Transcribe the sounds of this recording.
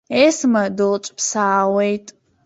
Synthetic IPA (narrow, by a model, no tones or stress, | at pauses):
eːsmɐdɨlt͡ʃʷʼpʰsaːwejtʼ